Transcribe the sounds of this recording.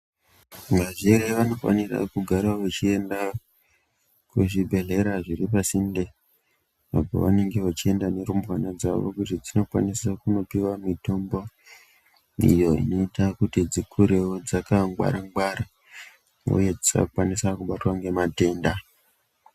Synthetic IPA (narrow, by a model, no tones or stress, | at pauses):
maʐiɾeʋano̞fa̰nira̰kuɡʱaɾaʋet͡ʃie̞nda | kweʐibʱe̞ɮe̞ɾaʐiɾip̬asinde | ʋa̰po̰ʋane̞ŋɡe̞ʋat͡ʃie̞ndane̞ɾumwanad͡za̰ʋo̰kutid͡zino̞kwa̰nisakuno̞piwamito̞mbo̞ | ḭjo̞ḭno̞itakutid͡zikʰuɾewod͡zakaŋɡwa̰ɾaŋɡwaɾa | ṵje̞d͡zika̰ukwanisakuɓatwaŋɡe̞mate̞ːnda